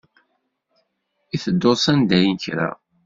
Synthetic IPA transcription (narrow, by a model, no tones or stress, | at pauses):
iθəd̪ːosænd̪æjənçɾæ̰